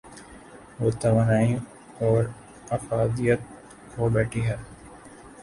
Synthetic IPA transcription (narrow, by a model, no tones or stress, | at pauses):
ʋoːt̪ɐʋaːnaːĩ | ɔːɾ | ɐfaːd̪ijət̪̚ | koːbɛːʈʰiɦɛː